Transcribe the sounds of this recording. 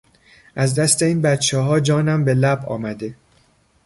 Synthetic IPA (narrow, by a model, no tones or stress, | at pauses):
ʔæzd̪æst̪e̞iːnbæt̪t͡ʃʰɛɦɒːd͡ʒɒːnæmbe̞læbɒ̰ːmæd̪e̞